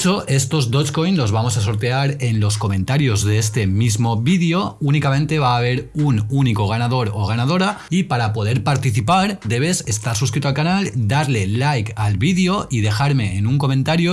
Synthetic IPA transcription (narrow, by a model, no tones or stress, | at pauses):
t͡ʃo̞ʔe̞st̪o̞zd̪o̞t͡ʃko̞jnlo̞zβamo̞saso̞ɾt̪e̞aɾe̞nlo̞sko̞mẽ̞nt̪aɾjo̞zðeest̪e̞mizmo̞βiðeo̞unikamẽ̞nt̪e̞β̞aːβ̞e̞ɾununiko̞ɣ̞anaðo̞ɾoɣ̞anað̞o̞ɾaipaɾapo̞ð̞e̞ɾpaɾt̪iθipaɾd̪e̞β̞e̞se̞st̪aɾsuskɾit̪oalkanald̪aɾle̞lajkalβiðjo̞ʔiðe̞xaɾme̞enuŋko̞mẽnt̪aɾjo